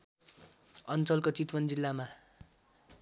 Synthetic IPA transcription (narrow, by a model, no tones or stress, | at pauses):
ʌnt͡sʌlkot͡sit̪wʌnd͡zilːama